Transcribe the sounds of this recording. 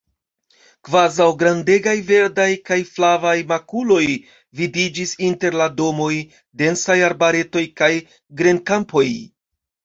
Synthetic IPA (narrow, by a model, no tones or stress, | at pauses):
kvazawɡɾande̞ɡajve̞ɾdajkajflavajmakulo̞j | vidid͡ʒisinte̞ɾlado̞mo̞j | de̞nsajaɾbaɾe̞to̞jkaj | ɡɾe̞nkampo̞j